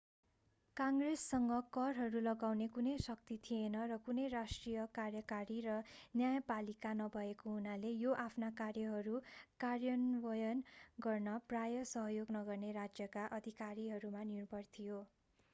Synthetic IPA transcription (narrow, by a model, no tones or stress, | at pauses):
kaŋɡresːʌŋɡʌkʌrɦʌɾulʌɡawnekunʌjsʌk̚t̪it̪ʰienʌrʌkunʌjrasʈrijʌkarjʌkaɾirʌnjajʌpalikanʌbʱʌekoɦunalejoʔapʰnakarjʌɦʌɾukarjʌnwʌjʌnɡʌrnʌprajʌsʌɦʌjoɡnʌɡʌrneɾad͡zjʌkaʔʌd̪ʱikaɾiɦʌɾumaniunpʌrt̪ʰijo